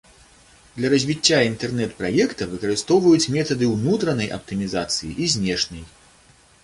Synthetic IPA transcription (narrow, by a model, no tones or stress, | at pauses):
d̪lʲɐɾɐzʲvʲit͡sʲːaint̪ɛrnɛt̪pɾajɛkt̪ɐvɨkɐɾɨst̪ɔwvɐjut͡sʲmʲɛt̪ɐd̪ɨwnut̪ɾɐnɐjʔɐ̰p̚t̪ɨmʲiza̰t̪sɨjḭʔizʲnʲɛʂnɐj